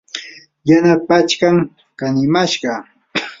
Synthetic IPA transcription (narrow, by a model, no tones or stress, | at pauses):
janapat͡ʃkaŋ | kanɪmaʃɢɑ